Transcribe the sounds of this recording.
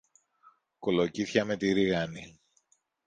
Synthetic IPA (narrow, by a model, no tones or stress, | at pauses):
kolociθçɐmet̪iɾiɣɐni